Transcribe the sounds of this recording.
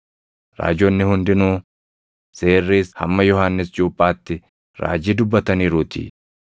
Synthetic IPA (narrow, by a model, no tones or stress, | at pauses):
ɾa̰ːd͡ʒɔnːɪhʊnd̪ɪnuː | se̞ːrːiːshɐ̰mːɐjɔhaːnːɪsd͡ʒoːpʼːaːt̪ːɪ | ɾa̰ːd͡ʒiːd̪ʊbːɐt̪ɐniːɾuːt̪ʰḭ